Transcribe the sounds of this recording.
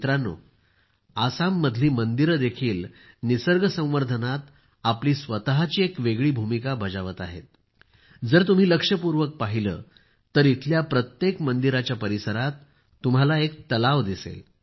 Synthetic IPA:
t̪ɾanːo̰ | asamːəd̪ʱliːmənd̪iɾd̪ekʰiːl | nisəɾɡəsə̃w̃ʋəɾd̪ʱənat̪ | apliːsʋət̪əɦat͡ɕiːekʋeɡɭiːbʱumikabʱəd͡zaʋət̪aɦḛt̪̚ | d͡zəɾt̪um̤iːləkʂəpuɾʋək̚paɦilə̰ː | t̪əɾit̪ʰljapɾət̪jekmənd̪iɾat͡ɕjapəɾisəɾat̪ː | um̤alaek̚t̪əlaʋd̪isḛl

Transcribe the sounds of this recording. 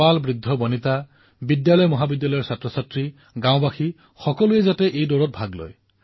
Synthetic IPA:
albɹid̪ʱːɔbɔnit̪a | bidjalɔjmɔɦabidjalɔjɔɹsatɹɔsatɹi | ɡãw̃baxi | xɔkɔluezatɛʔejdoɹɔt̚bʱaɡlo̰j

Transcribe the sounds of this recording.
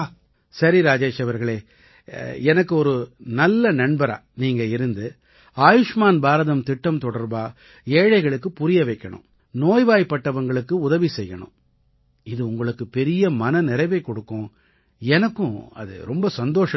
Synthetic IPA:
sɐɾiɾaːd͡ʒeːʂɐʋɐɾɣɐɭeː | ɛnɐkːɯɔɾɯnɐlːɐnɐɳbɐɾa̰ːniːŋɡɐɪɾɯnd̪ɯ | aːjɯʂmaːnbaːɾɐðɐmt̪ɪʈːɐmt̪ɔɽɐɾbaː | eːɻɐɪɣɐɭɯkːɯpʊɾɪjɐʋɐɪkːɐɳɯ̰̃m | noːjʋaːjpːɐʈːɐʋɐŋɡɐɭɯkːɯʊðɐʋisɛjːɐ̰ɳɯ̰̃m | ɪðɯʊŋɡɐɭɯkːɯpɛɾɪjɐmɐnɐnɪɾɐɪʋɐɪkːɔɽɯkːʊ̃ː | ɛnɐkːʊ̃ɐ̰ðɯ̰ɾɔmbɐsɐnd̪oːʂɐ

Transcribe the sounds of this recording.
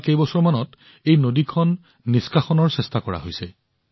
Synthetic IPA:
kejbɔsɔɹmanɔt | ejnodikʰɔnː | iskaxɔnɔɹsɛstakɔɹa̰ɦojsɛ

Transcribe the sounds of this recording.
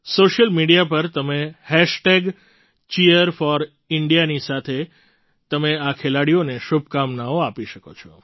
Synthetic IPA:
soʃəlmiɽijapəɾt̪əmehɛʃʈeɡ | t͡ʃiəɾfɔɾ | ɪɳɖijanisat̪ʰe | t̪əmeakʰelaɽijoneʃub̚ʱkamnaoapiʃəkot͡ʃʰɔ̥

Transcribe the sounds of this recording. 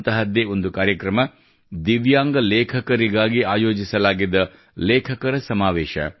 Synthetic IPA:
t̪ɐɦɐd̪ːeo̞nd̪ukaːɾjɐkɾɐmɐ | d̪iʋjaːŋɡɐlɛːkʰɐkɐɾiɡaːɡiaːjo̞ːd͡ʒisɐlaːɡid̪ːɐ | leːkʰɐkɐɾɐsɐmaːʋɛːʃɐ̰

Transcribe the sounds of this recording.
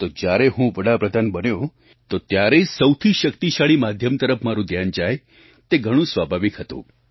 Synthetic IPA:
t̪od͡ʒjaɾeɦũʋəɽapɾəd̪ʱanbənjõ | t̪ot̪jaɾesəwt̪ʰiʃəkt̪iʃaɭimad̪ʱjəmt̪əɾəpmaɾũd̪ʱjand͡ʒaj | t̪eɡʱəɽ̃ũsʋabʱaʋikɦət̪ṵ̃

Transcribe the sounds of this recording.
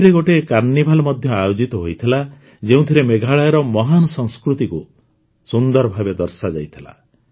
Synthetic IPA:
ɾeɡoʈekaɾnibʱalɔmɔd̪ʱjɔajod͡ʒit̪ɔɦojt̪ʰila | d͡ʒeũt̪ʰiɾemeɡʱaɭajɔɾɔmɔɦanɔsɔŋskɾut̪iku | sund̪ɔɾɔbʱabed̪ɔɾsad͡ʒajt̪ʰila̰

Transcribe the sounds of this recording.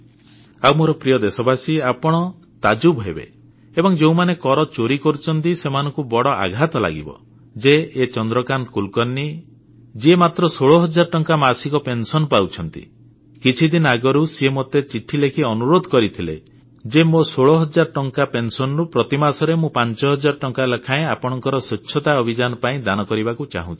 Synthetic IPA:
awmoɾɔpɾijɔd̪esɔbasiapɔɽ̃ɔ | t̪ad͡ʒubɦebḛ | ebɔŋd͡ʒew̃manekɔɾɔt͡ʃoɾikɔɾut͡ʃʰɔnt̪isemanɔŋkubɔɽɔʔa̰ɡʱat̪ɔla̰ɡḭbɔ̰ | d͡ʒeːt͡ʃɔnd̪ɾɔkant̪ɔkulkɔnːi | d͡ʒemat̪ɾɔsoɭɔɦɔd͡ʒaɾɔʈɔŋkamasikɔpensɔnɔpawt͡ʃʰɔnt̪ḭ | kit͡ʃʰid̪inɔaɡɔɾusiemot̪et͡ʃiʈʰːilekʰiɔnuɾod̪ʱɔkɔɾit̪ʰilḛ | d͡ʒemosoɭɔɦɔd͡ʒaɾɔʈɔŋkapensɔnɔɾupɾɔt̪imasɔɾemũpant͡ʃɔɦɔd͡ʒaɾɔʈɔŋkalekʰaẽapɔɽ̃ɔŋkɔɾɔsɔt͡ʃːʃʰɔt̪aɔbʱid͡ʒanɔpaĩd̪anɔkɔɾibakut͡ʃa̰ɦũt͡ʃʰi̥

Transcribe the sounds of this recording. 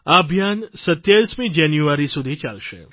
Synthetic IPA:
abʱjansət̪jaɭismĩd͡ʒanjuaɾisud̪ʱit͡ʃa̰lʃḛ

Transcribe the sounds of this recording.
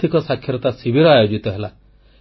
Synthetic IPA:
t̪ʰikɔsakʰːjɔɾɔt̪asibʱiɾɔajod͡ʒit̪ɔɦela

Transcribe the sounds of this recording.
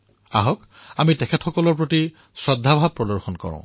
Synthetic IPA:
a̰ɦɔk | amitɛkʰɛtxɔkɔlɔɹpɹoti | sɔdʱːabʱab̚pːɹɔdɔɹxɔnkɔ̰ɹɔ̰̃

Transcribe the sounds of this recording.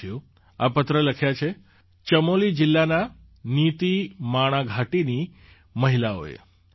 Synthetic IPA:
jũ | apət̪ɾələkʰjat͡ʃʰe | t͡ʃəmolid͡ʒɪlːana | nit̪imaɽ̃aɡʱaʈini | məɦilao̰ḛ

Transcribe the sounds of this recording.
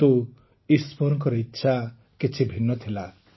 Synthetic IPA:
t̪u | ispɔɾɔŋkɔɾɔitːʃʰa | kit͡ʃʰibʱinːɔt̪ʰila

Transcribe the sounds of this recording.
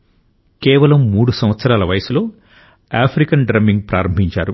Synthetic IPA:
keːʋɐlɐmːuːɽusɐmʋɐt̪sɐɾaːlɐʋɐjɐsulo̞ː | aːpʰɾikɐnɖɾɐmːiŋɡ̚pɾaːɾɐmbʱiɲt͡ʃa̰ːɾu

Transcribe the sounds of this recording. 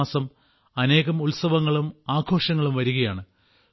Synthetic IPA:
sɐm | ɐne̞ːɣɐmulsɐʋɐŋːɐɭumaːɡʰʱo̞ːʂɐŋːɐɭumʋɐɾuɣɐjaːɳɨ

